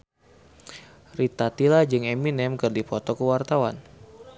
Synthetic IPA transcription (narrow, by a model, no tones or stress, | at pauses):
rit̪at̪ilad͡ʒɨŋɛminɛmkɨrdipɔt̪ɔkəwart̪awan